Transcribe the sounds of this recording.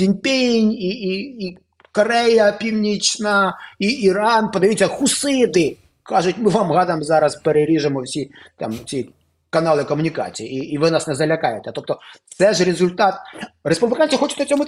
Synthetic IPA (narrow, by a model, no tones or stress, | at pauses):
sʲinʲpʲenʲiiː | kɔɾɛjɐpʲiwnʲit͡ʃnɐiiɾɑnpɔd̪ɐʋʲjitʲt͡sʲːɐxʊsɪd̪ɪ | kɑʒʊtʲmɪʋɑmɣɑd̪ɐjmzɑɾɐspeɾeɾʲiʒemɔwsʲit̪ɑ̰mt͡sʲi | kɐnɑlˠɪkɔmʊnʲikɑ̰t͡sʲijiiːʋɪnɑsnɛzɐlʲɐkɑjɛt̪ɛt̪ɔp̚t̪ɔt̪sɛʒɾʲezʊlʲt̪ɑt̪ɾespublʲɪkanʲt͡sʲijixɔt͡ʃʊt̪ʲnɐt͡sʲɔmʊ